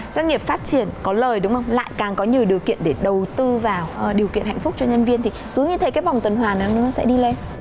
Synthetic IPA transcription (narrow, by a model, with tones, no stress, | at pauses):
zwa˧jŋ̟ŋi˨˩əp̚faː˦˥t̚t͡ɕi˧˩ənkɔ˨˦ləː˨˩jɗʊ˨˦wŋ͡mʔə˧wŋ͡mla̰ː˧˨jkaː˨˩ŋkɔ˨˦ɲi˨˩əwɗi˨˩əwkḭ˧˨ənɗe˧˩ɗə˨˩wt̪ɨ˧vaː˨˩wɗi˨˩əwkḭ˧ənha̰˧˨jŋ̟fʊ˦˥k͡p̚t͡ɕɔ˧ɲə˧nvi˧ənt̪ʰi˨˩t̪ɨ˨˦jɲɨ˧t̪ʰe˨˦jkaː˨˦jva˨˩wŋ͡mt̪ə˨˩nɦwaː˨˩nɨ̰˨˦nɨ˨˦nɔ˨˦sɛ̰˧˥ɗi˧le˧n